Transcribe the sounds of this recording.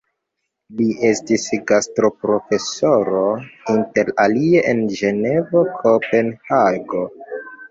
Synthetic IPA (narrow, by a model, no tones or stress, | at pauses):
liʔe̞stisɡastɾo̞pɾo̞fe̞so̞ɾo̞inte̞ɾalie̞ʔend͡ʒe̞ne̞vokʰope̞nhaɡo